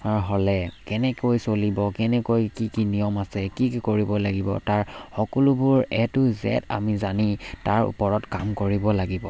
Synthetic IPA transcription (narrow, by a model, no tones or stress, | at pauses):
aɹɦɔlɛkɛnɛkojsolibɔkɛnɛkojkikinijɔmasɛkikkoɹibɔlaɡibɔ̰taɹxɔkɔlʊbʊɹɛtʊzɛ̰ta̰mizanitaɹṵpɔɹɔtkamkoɹibɔlaɡibɔ